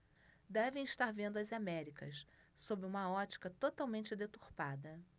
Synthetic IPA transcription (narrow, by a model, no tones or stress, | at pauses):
d̪ɛvẽj̃iʃt̪aɾvẽnd̪ʊɐzamɛɾikɐ̰s | sobɪũmɐɔt͡ʃi̥kɐt̪ot̪awmẽnt͡ʃɪd̪et̪uɾpad̪ɐ